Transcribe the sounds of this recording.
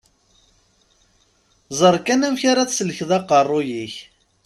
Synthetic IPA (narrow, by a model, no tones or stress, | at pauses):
zˤəɾˤkænæmçaɾæθsələçðˤɑqːərˤːʊjiç